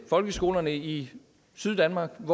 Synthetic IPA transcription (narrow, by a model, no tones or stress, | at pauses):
fɒ̽lɡ̥əsɡ̥o̝̰ːlɐnəi | syðˠd̥ænmɑ̈ːɡ̥ʋɒ